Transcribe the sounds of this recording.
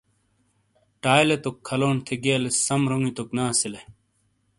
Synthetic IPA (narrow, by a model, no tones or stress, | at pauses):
ʈaːjlet̪okʰːɐloːnt̪ʰeɡiɐlesɐmɾoŋit̪oknaːsile